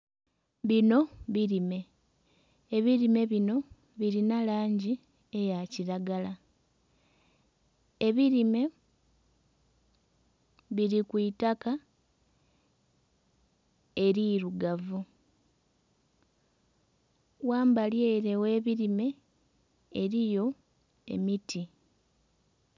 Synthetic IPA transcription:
βino̞βiɾime̞ | eβiɾime̞βino̞ | βiɾinalaːɲɟi | ejaciɾaɡala | e̞βiɾime̞ | βiɾikwuitaka | e̞ɾiːɾuɡavu | waːmbaljeːɾe̞we̞ːβiɾime̞ː | ɾijo̞ | e̞̰mitʰi

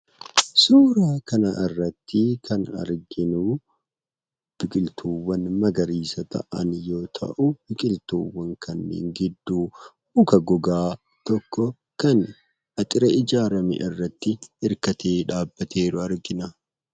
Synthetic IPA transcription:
suːɾaːkɐnɐʔɪrːɐt̪ːɪkʰɐnɐ̰ɾɡɪnuː | b̥ɪkʼɪlt̪ʰuːwːɐnmɐɡɐɾiːsɐt̪ɐ̰ʔɐnjo̞ːt̪ʰɐ̰ʔʊb̥ɪkʼɪlt̪uːwːɐŋkʰɐnːḛːŋɡɪd̪ːuː | ʊkɐɡɔɡaː | t̪ɔkːɔ | kɐn | ɐt̪ʼɪɾɐɪd͡ʒaːɾɐmɪ̰ʔɪrːɐt̪ːɪɪɾkɐt̪ʰeːᶑaːbːɐt̪ʰe̞ːɾʊɐɾɡɪnɐ

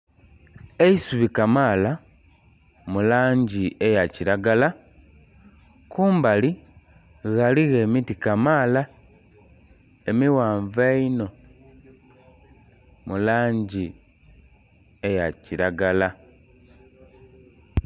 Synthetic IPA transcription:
e̞isuβikamaːla | mulaːɲɟiejaciɾaɡala | kuːmbali | ɣaliɣe̞ːmitikamaːla | emiwaːɱveino̞ | mulaːɲɟi | e̞jaciɾaɡala

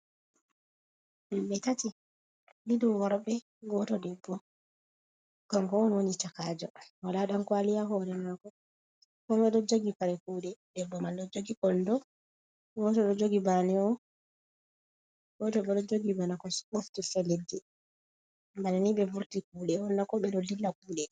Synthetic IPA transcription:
mimbɛtati | lidumwaɾbɛ | ɡɔtɔdɛbːɔ | ɡ̥aŋkɔɔnwonit͡ʃakaːd͡ʒɔwalaɗankwalijaɦɔɾɛmakɔ | kɔmbɛɗɔd͡ʒoɡipaɾɛkuːɗɛdɛbːɔmanɗɔd͡ʒoɡikɔndɔ | ɡɔtɔɗɔd͡ʒoɡibanɛɔ | ɡɔtɔɓɛɗɔd͡ʒoɡibanakɔsɓoftifɛlɛdːɛ | mbananiɓɛvuɾtikuːɗɛɔnːakɔɓɛɗɔlilːak̚uːɗɛ

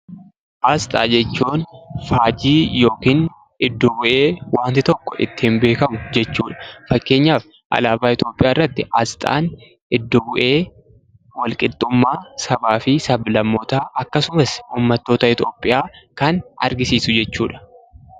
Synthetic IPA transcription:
ʔast̪ʼa̰ːd͡ʒɛt͡ʃːuːnfaːd͡ʒiːjoːkiːn | ɪd̪ːɔbʊʔe̞ːwaːnt̪ɪt̪ɔkːɔʔɪ̰t̪ːɪhɪmbe̞ːkɐmʊd͡ʒɛt͡ʃːuːᶑɐ̥fɐkːe̞ːɲːaːf | ʔɐ̰laːbaːɪt̪o̞ːpʼɪʔjaːɪrːɐt̪ːɪʔɐst̪ʼa̰ːn | ʔɪd̪ːɔbʊʔe̞ː | wɐlkʼɪlt̪ʼːʊmːaːsɐbaːfɪsɐblɐmːɔt̪aːʔɐkːɐsʊmɐsuːmːɐt̪ːo̞ːt̪ɐɪt̪o̞ːpʼːɪjaːkɐnɐ̰ɾɡɪsiːsʊd͡ʒɛt͡ʃːuːᶑɐ̥

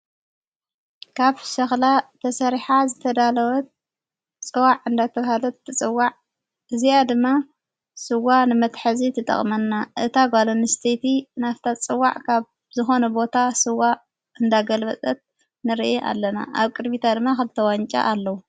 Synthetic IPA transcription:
kʰaβʃɐxlat̪ʰɐsɐɾiħazɨt̪ʰɐd̪alɐwɐt̪̚ | t͡sʼɨwaʕɨnd̪at̪ʰɐβhalɐt̪ːɨt͡sʼɨwːaʕ | ʔɨzijad̪ɨmːa | sɨwanɨmɐt̪ħazit̪ʰɨt̪ʼɐ̰χʼmɐnːaʔɨt̪ʰaɡalonɨst̪ʰet̪ʰinaft̪ʰat͡sʼɨwːa̰ʕkʰaβ | zɨxo̞nɐbo̞t̪ʰasɨwa | ʔɨnd̪aɡɐlbɐt͡sʼɐt̪̚ | nɨɾiʔeʔa̰lːɐna̰ʔaβkʼɨd̪mit̪ʰad̪ɨmːaxɨlt̪ʰɐwaɲt͡ʃʼa̰ʔalːɐwu

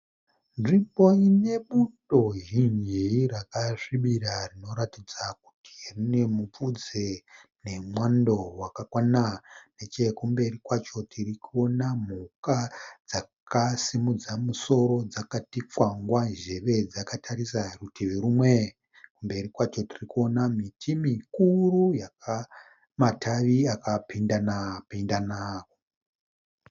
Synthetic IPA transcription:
nʐimbo̞ine̞ɓuto̞ɦiɲiiɾakaʐiɓiɾarino̞ɾatid͡zaku̥ti̥rine̞mup͡fud͡zene̞mwando̞wakakwananet͡ʃe̞kumbe̞rikwat͡ʃo̞tirikuonam̤ukad͡zakasimud͡zamuso̞ɾo̞d͡zakatip͡fwaŋɡwaʒe̞ʋe̞d͡zakatʰarisarutʰiʋeɾumwe | kumbe̞rikwat͡ʃo̞tirikuo̞namitʰimikurujaka | matʰaʋiakapindanapindanaːko

